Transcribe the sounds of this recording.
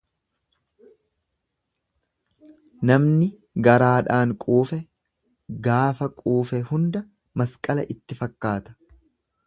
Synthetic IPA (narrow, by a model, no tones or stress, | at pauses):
nɐmnɪ | ɡɐɾaːᶑaːŋkʼuːfɛ | ɡaːfɐkʼuːfɛhʊnd̪ɐ | mɐskʼɐlɐ̰ʔɪt̪ːɪfɐkːaːt̪ɐ̥